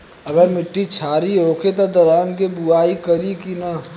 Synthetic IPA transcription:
ɐɡəɾmɪʈːit͡ʃʰaːɾiɦoːket̪od̪ɐɾaːnkebuaːikəɾikina

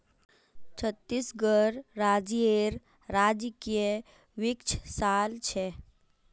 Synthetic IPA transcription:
t͡ʃʰət̪ːisɡəɾɾad͡ʒeɾ | ɾad͡ʒkije | ʋikt͡ʃʰsalt͡ʃʰɛ

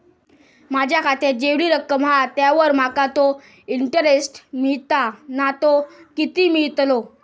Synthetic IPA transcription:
mad͡ʑʱjakʰat̪ed͡ʑeʋɽiːɾəkːəmɦat̪jaʋəɾmakat̪o | iɳʈəɾesʈmiɭt̪anat̪okit̪iːmiɭt̪lo

